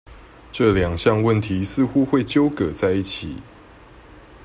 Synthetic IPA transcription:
ʈ͡ʂɤ˥˨ljɑ˨˩ŋɕjɑ˥˧ŋwə˥˨nt̪ʰi˨˦sɹ̩˥˨xu˦xwe˥˨ɪt͡ɕjo˥˦ʊkɤ˨˩t͡sa˥˧ɪi˥˩t͡ɕʰḭ˨˩˦

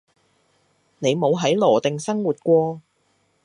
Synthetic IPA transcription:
ne˨˧jmo˨˧wɦɐ˨˥jlɔː˨˩t̪ɪ˨ŋsɐ˥ŋwuː˨t̚kʷɔː˧

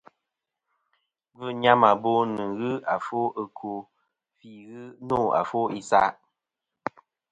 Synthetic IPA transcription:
vɨ˦ɲa˦ma˨bo˦nɨ˨ɣɨ˦a˨fo˦ə˨kʰo˨ | fi˦ɣɨ˦no˦˨a̰˨fo˦i˦sa˦ʔ

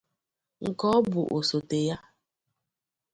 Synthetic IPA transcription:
ŋ̩˨kɔ˦ɔ˦bʊ˨ʔo˨so˨te˨ja˦

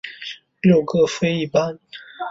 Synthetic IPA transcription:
ljo˥˧ʊkɤ˥˩fe˥ɪi˥˩pa˥n

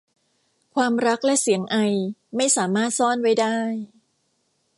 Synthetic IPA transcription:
kʰwaː˧mɾa˦˥k̚lɛ˦˥ʔsi˩˦əŋʔa˧jma˥˩jsaː˩˦maː˥˩t̪̚sɔː˥˩nwa˦˥˩jdaː˥˩j

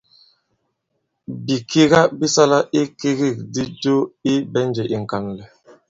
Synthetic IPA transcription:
bi˨kʰi˦ɣa˦bi˦sa˦la˦ʔi˦ki˦ɣi˦˨k̚di˦do˦i˦bɛ˦n˦d͡ʒe˨ʔi˨ŋ̩˨ka˨nlɛ˨

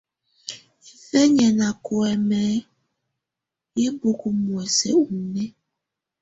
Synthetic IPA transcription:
i˨fɛ˦ɲɛ˨nã˨ko˨ɛ˨mɛ̃˨˦ | je˦bo˨ko˨mũ˨ɛ˨sɛ̰˨u˨nẽ˦

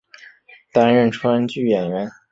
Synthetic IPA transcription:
t̪a˥nɻə˥˩nʈ͡ʂʰwa˥nt͡ɕy˥˩jɛ˨˩nɥɛ˧˥n

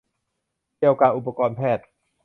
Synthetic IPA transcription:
ki˧˩əwkaː˧ʔu˨˧˩pːa˧kɔː˧npʰɛː˥˩t̪̚

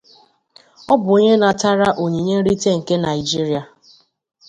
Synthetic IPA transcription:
ɔ˦bʊ˨o˦ɲe˦na˨ta˦ɾa˦ʔo˨ɲi˨ɲe˦ɾi˦te˦ŋ̩˨ke˦na˨ɪ˨d͡ʒi˦ɾi˨˦a˨

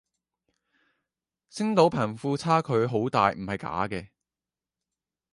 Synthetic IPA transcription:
sɪ˥ŋt̪o˨˥wpʰɐː˨˩nfuː˧t͡sʰaː˥kʰɵ˨˧ɥɦo˨˥wt̪aː˨jm̩˨˩hɐ˨jka̰ː˨˥kɛː˧

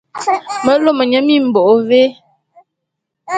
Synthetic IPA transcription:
mə˦lo˦mə˨ɲə˨˦mi˦˨m̩˨bo˨ʔo˨ve˦

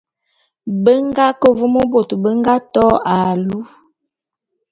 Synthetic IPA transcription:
bə˦ŋɡa˦kə˨vu˦mo˦bo˨tbə˦ŋɡa˦tɔ˦a˨lu˦

